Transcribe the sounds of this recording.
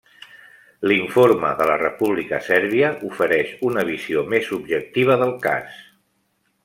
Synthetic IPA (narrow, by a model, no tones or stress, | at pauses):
liɱfoɾməðələrəpuβlikəsɛɾβ̞iəʔufəɾɛʃunəβ̞iziomezubʒək̚t̪iβ̞əðəlˠka̰s